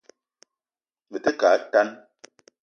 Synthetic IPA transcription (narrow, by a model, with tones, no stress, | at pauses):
mə˨tə˦ka˨˦ta˦n